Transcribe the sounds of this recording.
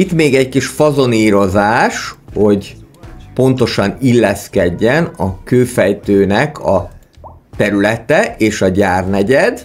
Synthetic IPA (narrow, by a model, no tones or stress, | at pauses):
it̪meːɡɛckiʃfɒzo̞niːɾo̞zaːʃho̞ɟ | po̞nt̪o̞ʃɒnilːɛskɛɟːɛnɒkøːfɛjt̪øːnɛkʰɒ | t̪ɛɾylɛt̪ɛʔeːʃɒɟaːrnɛɟɛd̪